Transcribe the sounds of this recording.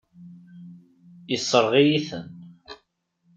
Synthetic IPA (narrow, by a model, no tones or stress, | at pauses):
isˤːəɾˤʁijiθə̰n